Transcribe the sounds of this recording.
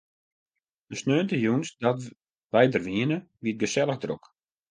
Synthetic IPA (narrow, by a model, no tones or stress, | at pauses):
dəsnøːntəjunsdɔt | ʋɛjdərʋiənəʋiət̚ɡəsɛlˠəxdrok